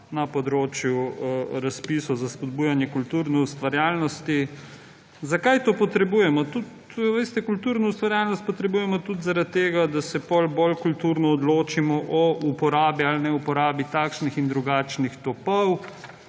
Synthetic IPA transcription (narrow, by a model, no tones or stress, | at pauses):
nɐpɔd̪ɾoːt͡ʃjuɾaspisɔwzaspɔd̪buːjanjɛkult̪uːɾnɛust̪ʋaɾjaːlnɔst̪i | zakajt̪oːpɔt̪ɾɛbuːjɛmɔt̪ut̪ | ʋest̪ɛkult̪uɾnaust̪ʋaɾjaːlnɔst̪̚pɔt̪ɾɛbuːjɛmɔt̪ut̪zaɾat̪̚t̪ːeːɡad̪asɛpɔlbolkult̪uɾnɔːd̪loːt͡ʃimɔʔɔʔupɔɾaːbialnɛupɔɾaːbit̪aːkʃnixind̪ɾuɡaːt͡ʃnixt̪ɔpɔw